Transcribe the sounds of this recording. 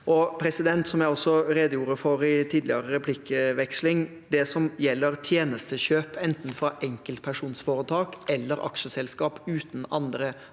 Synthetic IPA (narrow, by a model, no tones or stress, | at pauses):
ʔɔpʰɾɛsɪd̪ɛnt̪sɔmjæɪɔsːɔɾeːd̪əjuːɾəfɔɾɪt̪ʰiːd̪lɪɑɾəɾɛpʰlɪkːəʋɛkslɪŋ | d̪ɛsɔmjɛlːəɾt̪ʰjeːnəst̪əɕøːpʰɛnt̪n̩fɾɑʔɛŋkəlt̪̚pʰæʂuːnsfoːɾət̪ʰɑːkɛlːəɾɑ̰kʂəsɛlskɑːpʉːt̪n̩ɑnd̪ɾə